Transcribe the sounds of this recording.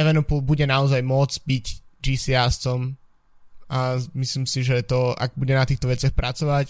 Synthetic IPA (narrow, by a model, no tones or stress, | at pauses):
ɛʋɛnɔpulˠbuɟɛnaɔzajmʊɔd͡zbiɟd͡ʒiːsiast͡sɔm | amisliːmsiʒɛt̪ɔa̰ɡ̚buɟɛnat̪iːxt̪ɔʋɛt͡sɪaxpɾʔat͡sɔʋac